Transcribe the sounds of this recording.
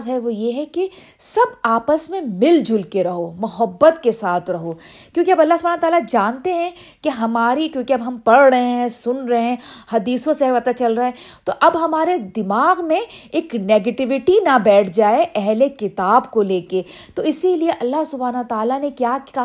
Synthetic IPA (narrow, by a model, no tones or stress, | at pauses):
zɦɛʋojeɦɛke | sɐbaːpəsmẽmɪld͡ʒʱʊlkeɾɐɦomʊɦəbːət̪kesaːt̪ʰɾɐɦoːkjõːkiɐbɐlːaɦsʊbaːnɐət̪aːlad͡ʒaːnt̪eɦɛ̃ | keɦɐmaːɾikjõːkiɐbɦɐmpɐɽɾɐɦẽɦɛ̃sʊnɾɐɦeɛ̃hɐd̪iːsõsepɐt̪at͡ʃɐlɾɐɛ | t̪oʔɐbɦɐmaːɾed̪ɪmaːɣmẽeːkneːɡeʈɪʋɪʈinɐbɛːʈʰd͡ʒaːeʔɛɦlekɪt̪aːbkoleːket̪oɪsilieʔɐlːaɦsʊbʱaːnɐʋət̪aːlanekjaːa